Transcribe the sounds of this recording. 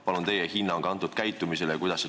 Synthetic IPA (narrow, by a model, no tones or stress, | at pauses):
pɑlunt̪e̞jehinːɑŋkɑnt̪ːud̪̥kæjt̪ːˑumiselekujd̪̥ɑsːe